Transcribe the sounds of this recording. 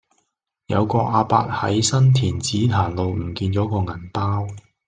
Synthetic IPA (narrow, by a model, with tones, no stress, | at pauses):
jɐ̰˨˧wkɔː˧ʔaː˧pa̰ː˧t̚hɐ̰˨˥jsɐ˥nt̪ʰiː˨˩nt͡siː˨˥t̪ʰaː˨˩nlo˨wm̩˨˩kiː˧nt͡ʃɔː˨˥kɔː˧ŋɐ˨˩npaː˥w